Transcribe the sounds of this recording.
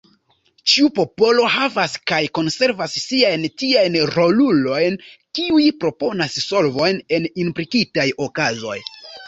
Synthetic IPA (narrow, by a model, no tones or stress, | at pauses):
t͡ʃiupo̞po̞lo̞havaskajko̞nse̞ɾvasːiajntiajnɾo̞lulo̞jnkiujpɾo̞po̞nasso̞lvo̞jne̞ninpɾikitajo̞kazo̞̰j